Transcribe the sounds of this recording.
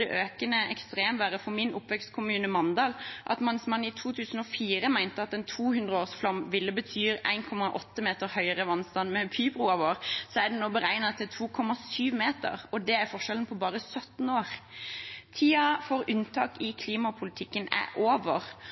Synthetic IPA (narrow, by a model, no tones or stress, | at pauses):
ɛʔøːkənəɛkst̪ʁeːmʋæːɾəfɔmɪnʔʊpːʋɛkst̪kʰʊmʉːnəmɑnd̪ɑːlʔɑ̰t̪mɑnsmɑnːɪt̪ʰuːt̪ʰʉːsən̩ɔfiːʁəmæɪnt̪əɑt̪ɛnt̪ʰuːhʉnd̪ʁəoːsflɑmʋɪlːəbət̪ʰyːɾæ̰ɪnkʰɔmːɑʔɔt̪ːəmeːt̪əɾhœʏəʁəʋɑnst̪ɑnmɛpʰyːbʁuɑʋoːɾsɔæd̪ɛnoːbəɾæɪnɑt̪ʰɪlt̪ʰuːkʰɔmːɑsyːʋmeːt̪ə̰ʁɔd̪ɛæɾfɔʂɛlən̩pʰɔbɑːʁəsœt̪n̩oːʁ | t̪ʰiːɑfɔɾʉnt̪ʰɑːkɪkʰliːmɑpʰʊlɪt̪ʰɪkːənæ̰ʔoːʋəʁ